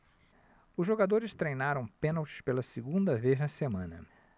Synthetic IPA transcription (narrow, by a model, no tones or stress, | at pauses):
ʊzʒoɡad̪oɾɪst̪ɾejnaɾɐ̃w̃pẽnawt͡ʃɪ̥spelɐsiɡũnd̪ɐveznɐsemɐ̃nɐ̰